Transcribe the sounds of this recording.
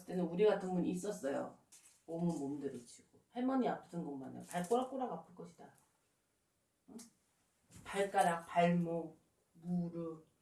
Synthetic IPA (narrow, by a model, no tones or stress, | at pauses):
st͈e̞nɯnuɾiɡatʰɯnbuɲis͈ʌs͈ʌjo̰ | ʌmumomdɯɾɯt͡ɕʰiɡ̥ohemʌɲiapʰɯdɯnɡʌmmana̰jo̰paɭk͈oɾak͈oɾaɡapʰɯɭk͈ʌɕʰid̥a | paɭk͈aɾak̚paɭmo | muɾɯ